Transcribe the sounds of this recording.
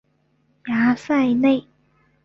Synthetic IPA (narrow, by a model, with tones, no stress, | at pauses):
jaː˨˦sa˥˧jne˥˧j